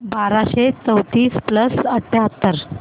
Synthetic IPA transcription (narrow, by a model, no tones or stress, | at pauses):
baɾaɕet͡səwt̪iːspləsəʈʰːeɦət̪ːəɾ